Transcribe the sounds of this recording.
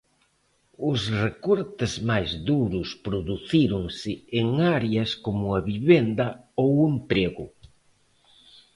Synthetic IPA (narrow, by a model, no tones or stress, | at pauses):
ʊsrekɔɾt̪ɪzmajzðuɾʊspɾoðuθiɾʊŋsɪːŋaɾjɐskomʊaβiβend̪ɐ | owempɾeɣʊ